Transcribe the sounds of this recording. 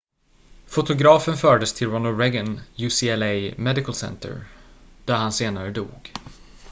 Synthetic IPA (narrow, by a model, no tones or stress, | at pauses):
fʊt̪ʊɡɾɑːfənfœːɖəst̪ʰɪlɾɔnəlɾɛɡənjuːsiɛlejmɛd̪ɪkəlsɛ̰nt̪ʰə̰ɾd̪̥æɾhanseːnaɾəd̪ṵːɡ